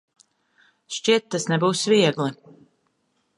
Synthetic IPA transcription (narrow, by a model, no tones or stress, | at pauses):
ʃt͡ʃiɛt̪ːasnɛbuːsviɛɡlˠi